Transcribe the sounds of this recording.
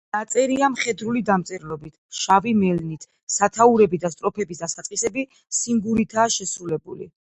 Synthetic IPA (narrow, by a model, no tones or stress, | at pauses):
nat̪sʼɛɾiamχɛd̪ɾulid̪amt̪sʼɛɾlɔbit̪ʰʃavimɛlnit̪ʰ | sat̪ʰauɾɛbid̪ast̪ʼɾɔpʰɛbisd̪asat̪sqʼisɛbi | siŋɡuɾit̪ʰaːʃɛsɾulɛbṵlḭ